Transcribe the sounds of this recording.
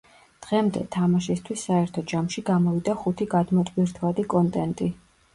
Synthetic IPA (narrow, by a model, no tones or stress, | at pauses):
d̪̥ʁɛmd̪ɛ̰t̪ʰamaʃist̪ʰwisːaɛɾt̪ʰɔd͡ʒamʃiɡamɔvid̪aχut̪ʰiɡad̪mɔt̪ʼviɾt̪ʰvad̪ikʼɔnt̪ʼɛnt̪ʼi